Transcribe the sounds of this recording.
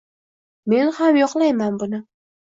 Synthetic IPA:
me̞nhamjɒqlˠajmanbʊnɪ

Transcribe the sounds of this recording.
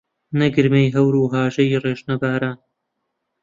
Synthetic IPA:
nɐɡɨɾmejɦɐwɾuːɦaːʒɐjireːʒnɐɡaːɾaːn

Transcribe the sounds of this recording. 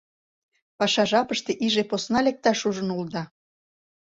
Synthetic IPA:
pɑʃɑʒɑpəʃt̪eʔiʒeposnɑlek̚t̪ɑʃuʒə̆nuld̪ɑ

